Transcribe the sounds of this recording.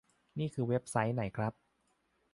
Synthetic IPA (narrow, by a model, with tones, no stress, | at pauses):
niː˥˩kʰɯː˨˧we˦˥p̚sa˦˥jna˩˦jkʰɾa˦˥p̚